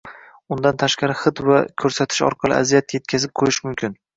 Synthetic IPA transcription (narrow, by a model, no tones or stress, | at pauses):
ʊnd̪ant̪ʰaʃqɑɾɪχɨt̪vakʲʰɵɾsat̪ʰɪ̥ʃɒ̰ɾqʰɑlˠɪ̰ʔa̰zijat̪je̞t̪̚kʰʲazɪp̚qʰojɪʃmʊmkʲʰɪn